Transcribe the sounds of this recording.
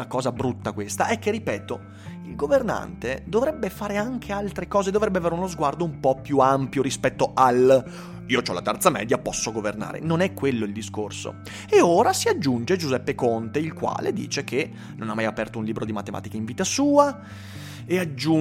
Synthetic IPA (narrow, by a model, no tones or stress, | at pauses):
akɔːzabɾut̪ːakwest̪aʔɛk̟ːeripɛːt̪o | ilɡoverna̰nt̪ed̪ovɾɛbːefaːɾeaŋkʰealt̪ɾekɔːzed̪ːovɾɛbːeaveːɾeunozɡward̪oumpɔpːjuampjoɾispɛt̪ːoʔal | iːot͡ʃɔla̰t̪ɛrt̪samɛ̰ːd̪japɔsːoɡoverna̰ːɾḛnonɛkːwelːoild̪iskorso̰ | eoːɾasiad͡ʒːund͡ʒed͡ʒuzɛpːekont̪eilkwa̰ːled̪ḭːt͡ʃek̟ʰe | nonamːajapɛrt̪ounliːbɾod̪imat̪ema̰ːt̪ikaiɱviːt̪asuːa | ead͡ʒːu